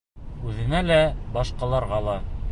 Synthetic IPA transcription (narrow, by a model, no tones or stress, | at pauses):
ʉðɘ̆nælæbɑʃqɑlˠɑɾʁɑlˠɑ